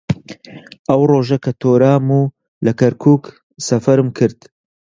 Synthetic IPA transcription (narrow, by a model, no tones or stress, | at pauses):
ʔɐwroːʒɐkʰɐt̪ʰoːɾaːmuː | lɐkɐɾkʰuːk | sɐfɐɾɨmkʰɨɾd̪̥